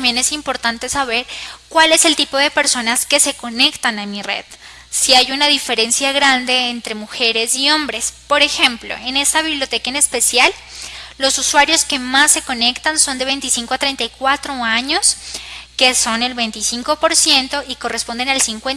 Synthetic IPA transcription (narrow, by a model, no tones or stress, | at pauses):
mbjene̞simpo̞ɾt̪ant̪e̞saβ̞e̞ɾkwale̞se̞lt̪ipo̞ðe̞pe̞ɾso̞naske̞se̞ko̞ne̞kt̪anamirḛð | siajunaðife̞ɾe̞nsjaɣɾand̪e̞ːnt̪ɾe̞muxe̞ɾe̞sio̞mbɾe̞spo̞ɾe̞xe̞mplo̞̰e̞ne̞st̪aβ̞iβljot̪e̞kaene̞spe̞sjalː | o̞suswaɾjo̞ske̞masːe̞ko̞ne̞kt̪anso̞nd̪e̞β̞e̞jnt̪isiŋkoat̪ɾe̞jnt̪ajkwat̪ɾo̞aɲo̞ske̞so̞ne̞lβe̞jnt̪isiŋko̞po̞ɾsje̞nt̪o̞ʔiko̞respo̞nd̪e̞nalsiŋkwen